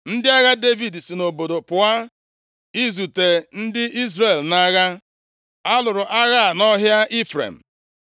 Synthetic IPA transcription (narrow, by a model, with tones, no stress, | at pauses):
n̩˦dɪ˦a˦ɣa˦de˦vi˨dsi˨no˨bo˨do˨pʊ˨a˦ | i˦zu˨te˨n̩˦dɪ˦i˦zɾe˨lna˦ɣa˦ | a˦lʊ˨ɾʊ˨ʔa˦ɣa˦a˨nɔ˦ɦja˦ʔi˦fɾḛ˨m̩˨